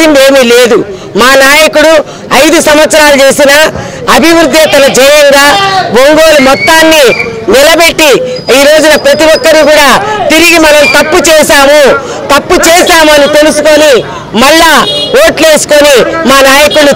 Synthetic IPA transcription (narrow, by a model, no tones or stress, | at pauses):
ind̪e̞ːmiːle̞ːd̪u | maːnaːjɐkuɽu | ɐjd̪usɐmʋɐt̪sɐɾaːlut͡ʃe̞ːsinɐ | ɐbʱiʋɾud̪ʱːɐt̪ɐlɐd͡ʒɛjɐŋɡaːboŋɡoːlumɔt̪ːaːnːi | nilɐbe̞ʈːi | iːɾo̞ːd͡ʒunɐpɾɐt̪iʋɔkːɐɾukuːɽaːt̪iɾiɡimɐnɐmt̪ɐpːut͡ʃɛːʃaːmu | t̪ɐpːut͡ʃɛːʃaːmuɐnit̪e̞lusuko̞ni | mɐɭːaːoːʈle̞ːsu̥ko̞nimaːnaːjɐkuɽu